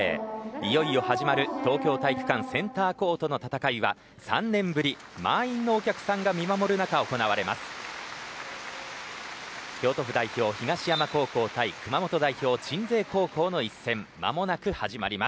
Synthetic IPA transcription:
ijo̞io̞haʑimaɾɯ̟t̪o̞ːkʲo̞ːt̪aikɯ̟̥kãsẽ̞nt̪aːko̞ːt̪o̞no̞t̪at̪akaiβa̰ | sã̰nːẽ̞mbɯ̟ɾʲi | ma̰ĩnːo̞ːkʲakɯ̟̥sãŋɡamʲimamo̞ɾɯ̟nakao̞ko̞naβaɾe̞ma̰sɨ̥ | kʲo̞ːt̪o̞ɸɯ̟d̪aiço̞ːçiɡaɕijamako̞ːko̞ːt̪aikɯ̟mamo̞t̪o̞d̪aiço̞ːt͡ɕĩnd͡ze̞ːko̞ːko̞ːno̞isːẽ̞mːa̰mo̞nakɯ̟haʑima̰ɾʲimas

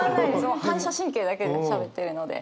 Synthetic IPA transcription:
sɨnohãɰ̃ɕaɕĩŋkeːd̪ake̞d̪eɕabe̞t̪ːe̞ɾɯ̟no̞d̪ḛ

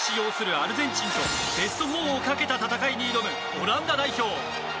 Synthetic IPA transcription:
ɕijo̞ːsɨɾɯ̟aɾɯ̟zẽ̞ɲ̟t͡ɕĩɲɕo̞̰ | be̞sɨ̥t̪o̞ɦoːokake̞t̪at̪at̪akaiɲ̟iːɾo̞mɯ̟ | oɾãnd̪ad̪aiço̞ː

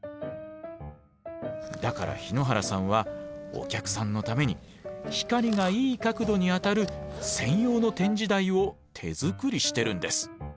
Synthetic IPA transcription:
d̪aka̰ɾa̰çino̞ɦaɾasãɰ̃βao̞̰kʲakɯ̟̥sãnːo̞t̪ame̞ɲ̟i | çi̥kaɾʲiŋaiːkakɯ̟d̪o̞ɲ̟iat̪aɾɯ̟sẽ̞ɰ̃jo̞ːno̞t̪ẽ̞ɲ̟d͡ʑid̪aio̞t̪ʰe̞̰zɨkɯ̟ɾʲiɕi̥t̪e̞ɾɯ̟̃nd̪e̞sɨ̥

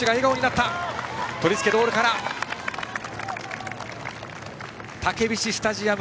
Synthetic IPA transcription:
iɡaeɡao̞ɲ̟inat̪ːat̪o̞ɾʲit͡sɨ̥ke̞d̪o̞ːɾɯ̟kaɾa | t̪ake̞bʲiɕisɨ̥t̪aʑiam

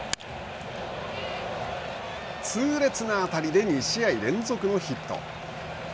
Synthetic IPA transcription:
t͡sɨːɾe̞t͡sɨnaːt̪aɾʲid̪e̞ɲ̟iɕiaiɾẽ̞nzo̞kɯ̟no̞çit̪ːo̞̰

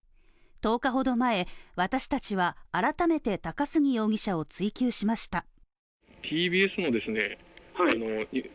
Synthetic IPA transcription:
t̪o̞ːkaɦo̞d̪o̞mae̞βat̪aɕi̥t̪at͡ɕiβ̞aːɾat̪ame̞t̪e̞t̪akasɨɲ̟ʲijo̞ːɡʲiɕao̞t͡sɨikʲɨːɕimaɕi̥t̪a | t̪ʲʰiːbʲiːesɨnod̪e̞sɨne | hano

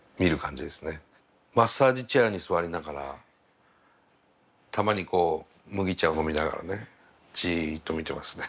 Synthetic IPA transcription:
mʲiɾɯ̟kãɲ̟d͡ʑid̪e̞sɨ̥ne̞ | masːaːʑit͡ɕaːɲ̟isɨβaɾʲinaɡaɾa̰ | t̪ʰamaɲ̟iko̞ː | mɯ̟ɡʲit͡ɕaɯno̞mʲinaɡa̰ɾa̰ne | t͡ɕit̪o̞mʲit̪e̞masɨ̥ne

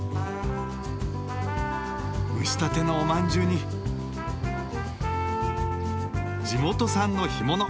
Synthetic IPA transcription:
ɯ̟ɕi̥t̪at̪e̞noːmãɲd͡ʑɨːɲ̟i | d͡ʑimo̞t̪o̞sãnːo̞çimo̞no

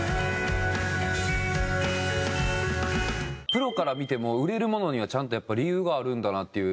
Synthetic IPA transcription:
pɯ̟ɾo̞kaɾamʲit̪e̞mo̞ɯ̟ɾe̞ɾɯ̟mo̞no̞ɲ̟iβ̞at͡ɕãnt̪o̞japːaɾʲijɯːɡaːɾɯ̟̃nd̪anat̪ːe̞jɯ̟

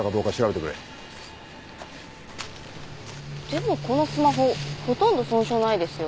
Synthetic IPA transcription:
akad̪o̞ːkaɕiɾabe̞t̪ekɾḛ | d̪̥e̞mo̞ko̞no̞sɨmaɦo̞ho̞t̪õ̞nd̪o̞sõ̞ːɰ̃ɕo̞ːnaid̪e̞sɨjo

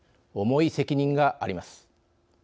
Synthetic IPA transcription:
o̞mo̞ise̞kʲiɲ̟ĩŋɡaʔaɾʲimasɨ̥

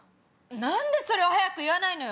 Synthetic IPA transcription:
nãnd̪e̞so̞ɾe̞βahajakɯiβanaino̞j

